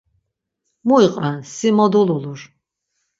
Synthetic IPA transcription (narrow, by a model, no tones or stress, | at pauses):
muiqʼansimɔd̪ululuɾ